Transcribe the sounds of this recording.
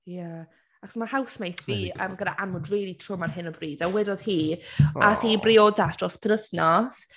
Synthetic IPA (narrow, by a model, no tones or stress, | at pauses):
ja | akʰɔ̥smahawsmejtʰviːəːmɡədaʔanmʊdriːlˠitʰrʊmanɦɪnəbriːdawɛdɔð̥hiːʔaθiːbrɪɔdasd̥rɔspʰəɾəsnaɔs